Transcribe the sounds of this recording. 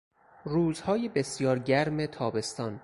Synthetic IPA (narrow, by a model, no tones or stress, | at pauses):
ruːzhɒːjebe̞sjɒːɾɟæɾmet̪ʰɒːbe̞st̪ɒːn